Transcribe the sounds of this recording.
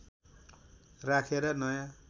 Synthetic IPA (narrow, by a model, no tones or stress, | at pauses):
rakʰeɾʌnʌjã